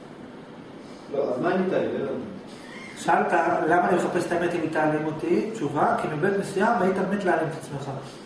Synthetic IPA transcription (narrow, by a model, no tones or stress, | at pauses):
loazmaenit̪ailejon | ʃalt̪alamalieχape̞st̪aeme̞t̪imit̪alemot̪it͡ʃuvakimibet̪nesiavait̪ammet̪lealimet̪ḁt͡smeχa